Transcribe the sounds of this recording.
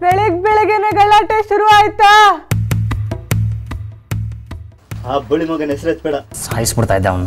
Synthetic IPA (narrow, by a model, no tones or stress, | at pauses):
beɭeɡ̚beɭeɡeneɡɐɭːaːʈeʃuɾuaːjt̪ːa | aːbɐɭimɐɡɐnesɾet̪beɽɐhɐjspuɽt̪aid̪ːeɐʋɐnu